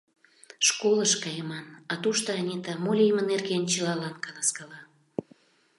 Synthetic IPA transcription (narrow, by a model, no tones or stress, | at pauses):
ʃkoləʃkɑjəmɑnɑt̪uʃt̪oɑnʲit̪ɑmolʲijmənerɣent͡ɕəlɑlɑnkɑlɑskɑlɑ